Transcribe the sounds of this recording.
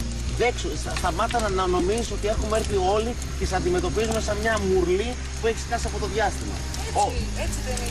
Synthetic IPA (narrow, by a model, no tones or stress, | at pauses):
ðeksusɐst̪ɐmɐt̪ɐnɐnɐno̞miziso̞t̪ie̞xume̞ɾθio̞li | cessɐnd̪ime̞t̪o̞pizume̞sɐmɲɐmuɾli | pueçi̥skɐsiɐpo̞t̪o̞ðʝɐst̪imɐ̰ | o